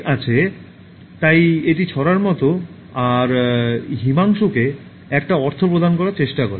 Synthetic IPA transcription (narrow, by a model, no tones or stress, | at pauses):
at͡ɕʰe | t̪ajeʈit͡ɕʰɔɾaɾmɔt̪o | aɾɦimaŋʃuke | ɛk̚ʈaɔɾt̪ʰopɾod̪ʱankɔɾaɾt͡ɕeʃʈakɔɾe